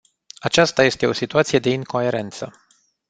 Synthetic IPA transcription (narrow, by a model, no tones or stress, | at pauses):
at͡ʃast̪aje̞st̪e̞o̞sit̪uat̪sije̞d̪e̞iŋko̞e̞ɾe̞nt̪sə̰